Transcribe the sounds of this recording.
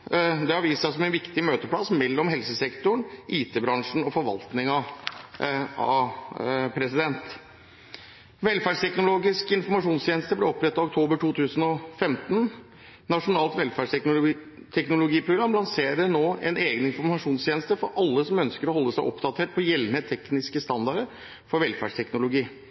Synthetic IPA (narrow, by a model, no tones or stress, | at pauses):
d̪ɛɑɾʋiːsɑsɔmɛnʋɪkt̪ɪmøːt̪əpʰlɑsmɛlːɔmɦɛlsəsɛkt̪ʊɳʔiːt̪ʰeːbɾɑŋʂɳ̩ɔfɔɾʋɑ̰lt̪nɪŋɑ | ɑ̰ | pʰɾɛsɪd̪ɛnt̪ | ʋɛlfæːɖʂt̪ʰɛknʊloːɡɪskɪnfɔɾmɑʂuːnst̪ʰjeːnəst̪əblɛɔpːɾɛt̪ːɑʋʊkt̪ʰoːbəʈʰuːt̪ʰʉːsənɔfɛmt̪n̩ | nɑʂʊnɑːlt̪ʋɛlfæɖ | t̪ʰɛknʊlʊɡiːpʰɾʊɡɾɑmlɑnseːɾəɳoːɛ̰neːɡənɪnfɔɾmɑʂuːnst̪ʰeːnəst̪əfɔɾʔɑlːəsɔmœnskəɾɔɦɔlːəsæɪʔɔpd̪ɑt̪ʰeːʈ̚pʰɔjɛlːnət̪ʰɛknɪskəst̪ɑnd̪ɑɾə | fɔɾʋɛlfæ̰ɖʂʈ̪ʰɛknʊlʊɡiː